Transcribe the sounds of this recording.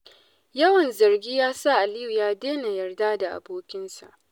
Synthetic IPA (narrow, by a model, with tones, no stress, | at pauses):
jɐ˦wɐ˨nzɐ˨rɡʲiː˦jaː˦sa˦ʔa˨lɪ˦ju˨jaː˦deː˦na˨jɐ˨rdaː˦da˨ʔa̰˨boː˦kʲɪ˦nsa̰˨ʔ